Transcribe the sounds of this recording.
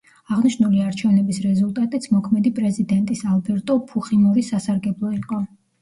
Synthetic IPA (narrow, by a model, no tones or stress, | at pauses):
aʁniʃnuliaɾt͡ʃʰɛvnɛbisɾɛzulˠt̪ʼat̪ʼit̪sʰmɔkʰmɛd̪ipʼɾɛzid̪ɛnt̪ʼisalˠbɛɾt̪ʼɔpʰuχimɔɾisasaɾɡɛblˠɔiqʼɔ